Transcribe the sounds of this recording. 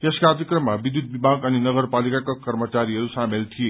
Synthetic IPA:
t̪eskaːd̪jikrʌmːabid̪ud̪̚bibʱaɡʌninʌɡʌɾpalikakokʌɾmət͡saɾiɦʌɾusamelt̪ʰie

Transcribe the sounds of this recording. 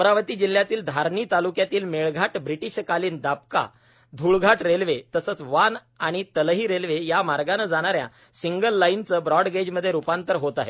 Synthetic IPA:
ɾaʋət̪iːd͡ʑil̤jat̪iːld̪ʱaɾɳiːt̪alukjat̪iːlmeɭɡʱaʈbɾiʈiɕkaliːnd̪ap̚ka̰ | d̪ʱuɭɡʱaʈɾelʋet̪əsəːt͡sʋan | aɽ̃it̪əlɦiːɾelʋejamaɾɡanəd͡zaɽ̃aɾja̰ | siŋɡəlːajint͡səbɾɔɖɡed͡ʑməd̪ʱːjeɾupãnt̪əɾɦot̪aɦḛ

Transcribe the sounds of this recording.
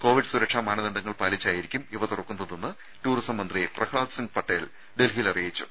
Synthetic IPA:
ko̞ːʋiɖɨsuɾɐkʂaːmaːɳɐðɐɳd̪ɐŋːɐɭpaːlit͡ɕːaːjiɾikʲːumiʋɐt̪urɐkːunːɐðenːɨ | ʈuːrisɐmːɐnd̪riprɐkʰɭaːd̪siŋɡɨpɐʈːeːl | ɖe̞lɦijlɐrijit͡ɕːṵ

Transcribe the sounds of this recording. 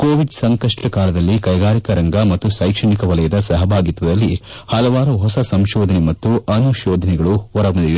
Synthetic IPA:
koːʋiɖsɐŋkɐʂʈɐkaːlɐd̪ɐlːikɐjɡaːɾikɐɾɐŋɡɐmɐt̪ːusɐjkʂɐɳikɐʋɐlɐjɐd̪ɐsɐɦɐbʱaːɡit̪ʋɐd̪ɐlːi | hɐlɐʋaːɾuɦɔsɐsɐmʃɔːd̪ʱɐnɛmɐt̪ːuɐnuʃɔːd̪ʱɐnɛɡɐɭuʋɐɾɐʋɐd̪iju

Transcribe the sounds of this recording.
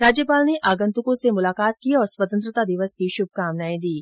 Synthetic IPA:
ɾaːd͡ʒjəpaːlneʔaːɡə̃nt̪ʊkõsemʊlaːkaːt̪kiɔːɾswət̪ə̃nt̪ɾət̪ad̪ɪʋəskiʃʊb̚ʱkaːmnaːĩd̪iː

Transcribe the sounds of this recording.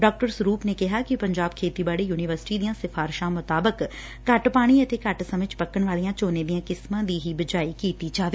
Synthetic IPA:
ɖɔːk̚ʈəɾsʊɾuːpneːkɪɦaːkɪpəɲd͡ʒaːb̚kʰeːt̪iːbaːɽeːjuːnɪʋəɾsɪ̥ʈiːd̪ijãːsɪfʰaːɾʃãːmʊt̪aːbək | kəʈpaːɽ̃iət̪eːkəʈsəmɪt͡ʃpəkːəɳ̃ʋaːlijãːt͡ʃoːneːd̪ɪjãːkɪsmãːd̪iːɦibəd͡ʒaːiːkiːt̪iːd͡ʒaːʋeː

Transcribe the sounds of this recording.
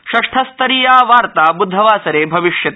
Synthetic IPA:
ʃɐʂʈʰɐst̪ɐɾijaːʋaːɾt̪aːbud̪ʱːɐʋaːsɐɾeːbʱɐʋiʃjɐt̪ː

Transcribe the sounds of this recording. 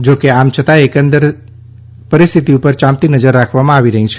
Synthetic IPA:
d͡ʒokeamt͡ʃʰət̪aekə̃nd̪əɾ | pəɾist̪ʰit̪iupəɾt͡ʃãmt̪inəd͡ʒəɾːakʰʋamãaʋiɾəɦĩt͡ʃʰ

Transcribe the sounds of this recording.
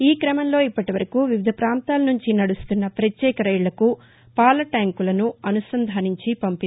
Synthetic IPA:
iːkɾɐmɐmlo̞ːipːɐʈiʋɐɾɐkuʋiʋid̪ʱɐpɾaːnt̪aːlɐnuɲt͡ʃinɐɽust̪unːɐpɾɐt̪jɛːkɐɾɐjɭɐku | paːlɐʈaːŋkulɐnuɐnusɐnd̪ʱaːniɲt͡ʃipɐmpi

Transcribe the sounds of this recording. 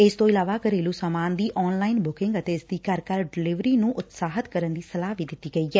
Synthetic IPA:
ɪst̪õːɪlaːʋaːkəɾeːluːsaːmaːnd̪iːʔɔːnlaːinbʊkɪ̃ŋɡət̪eːɪsd̪iːkəɾkəɾɖɪlɪʋɾiːnũːʔʊt̪saːɦət̪kəɾənd̪iːsəlaːʋiːd̪ɪt̪ːiːɡəiːɛː

